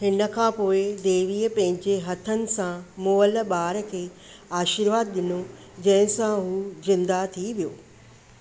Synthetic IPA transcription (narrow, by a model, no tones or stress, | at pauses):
ɦɪnə̆kʰãːpoːɪd̪eːʋiːəpɐ̃ɦɪ̃ɲd͡ʑeɦɐt̪ʰənɪ̆sãmoːəlɓaːɾəkʰeː | aːʃiɾʋaːd̪̚ɗɪno | d͡ʑɐ̃ɦɪ̃sãɦuːzɪ̃nd̪at̪ʰiʋijoː